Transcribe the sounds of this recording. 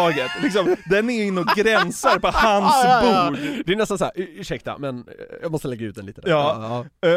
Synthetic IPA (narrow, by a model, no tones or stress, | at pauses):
ɑːɡət̪lɪksɔmd̪ɛnæɾjɵɪnːəɔɡɾɛnsəɾpɔhansbuːɖd̪ɛnɛst̪ansæɾːʂɛk̚t̪a̰mɛnjɑːɡmɔst̪əlɛɡːaʉ̟ːt̪̚d̪ɛniːt̪əd̪jɑː